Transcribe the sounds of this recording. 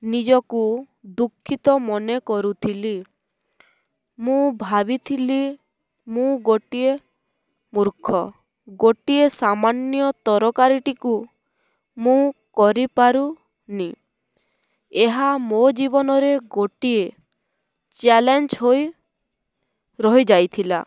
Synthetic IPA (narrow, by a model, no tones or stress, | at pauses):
nid͡ʒɔku | d̪ukʰːit̪ɔmɔnekɔɾut̪ʰili | mũbʱabit̪ʰili | mũɡoʈie | muɾkʰɔ | ɡoʈiesamanjɔt̪ɔɾɔkaɾiʈiku | mũkɔɾipaɾu | ni | eɦamod͡ʒibɔnɔɾeɡoʈie | t͡ʃalend͡ʒɦoj | ɾɔɦid͡ʒajt̪ʰila̰